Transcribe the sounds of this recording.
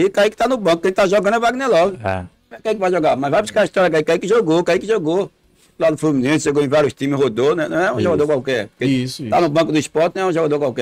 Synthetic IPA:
ikaikɪ̥t̪anʊbɐ̃kʊkːẽt̪t̪aʒoɡɐ̃nd̪ɛvaɡnɛlɔzʊɛ̰ | ɛkẽĩkɪvajʒoɡamɐzvajbuskaɐiʃt̪ɔɾjɐk̬aikaikɪʒoɡokaikɪʒoɡo | lad̪ʊfumĩnẽsʊʒoɡoẽvaɾjʊst̪ĩmɪshod̪onɛ̃nɐ̃w̃ɛũʒoɡad̪oɾkwawkɛɾpʊkest̪anʊbɐ̃kʊd̪ʊispɔɾt̪ñɛũʒoɡad̪oɾkwawkɛ

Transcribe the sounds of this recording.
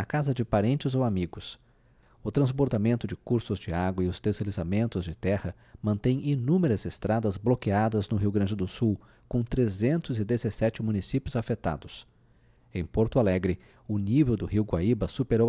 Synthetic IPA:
ɐkazɐd͡ʒɪpaɾẽnt͡ʃɪzowamiɡʊs | ʊt̪ɾɐ̃zboɾd̪amẽnt̪ʊd͡ʒɪkuɾsʊzd͡ʒɪaɡwɐɪʊst̪eselizamẽnt̪ʊzd͡ʒɪt̪ɛhɐ | mɐ̃nt̪ẽj̃inũmeɾɐzɪst̪ɾʔad̪ɐzblokead̪ɐznʊɦiwɡɾɐ̃d͡ʒɪd̪ʊsuw | kõt̪ɾezẽnt̪ʊzɪd̪ezesɛt͡ʃɪmũnisipjʊzafet̪a̰d̪ʊs | ẽj̃poɾt̪ʊalɛɡɾɪ | ʊnivewd̪ʊɦiwɡwa̰ibɐsupeɾow

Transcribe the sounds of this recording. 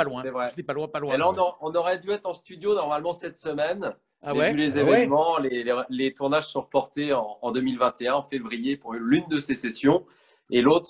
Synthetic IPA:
palwɛ̃sɛvʁɛɛpalwɛ̃palwɛlaɔ̃nɔɛɔ̃nɔʁɛd̪yɛt̪χɑ̃st̪yd̪jonɔʁmalmɑ̃sɛt̪səmɛn | aɛylezevɛnmɑ̃lelelet̪uʁnaʒsɔ̃ʁpɔʁt̪eɑ̃ːd̪ømilvɛ̃t̪eɛ̃ɑ̃fevʁijepuʁlynd̪əsesesjɔ̃ | elot̪χ

